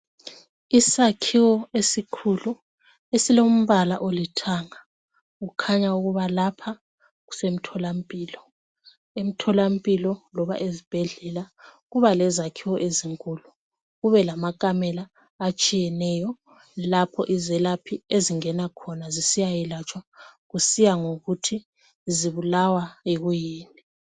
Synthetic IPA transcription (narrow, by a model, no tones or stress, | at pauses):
isakʰiwɔesikʰulu | esilom̩βalaʔolitʰaːŋa | ɣukʰaɲauɣuβalapʰa | ɣu̥sem̩tʰɔlam̩pʼiːlɔ | em̩tʰɔlam̩pʼilɔlɔβa̰ʔezib̥ʱɛɮɛlaɣuβalɛzakʰiwɔʔeziŋkʼulu | ɣuβɛlamakʼamɛlaː | t͡ʃʼijɛnɛjɔ | lapʰɔ̰ʔizɛlapʰieziŋɛnakʰɔnazisijajɛlat͡ʃʼwaɣusijaŋoɣutʰi | ziβulawaiɣujiːni